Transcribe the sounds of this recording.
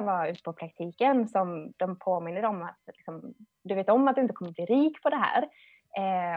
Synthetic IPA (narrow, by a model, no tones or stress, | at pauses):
vaʉ̟ːt̪əpʰɔpʰɾak̚t̪ʰiːkənsɔmd̪̥ɔmpʰoːmɪnːəɾɔmat̪lɪksɔm | d̪ɵveːt̪ɔmːat̪d̪ɵɪnt̪əkʰɔmːəbliːɾiːkpʰɔd̪ɛɦæ̰ːɾ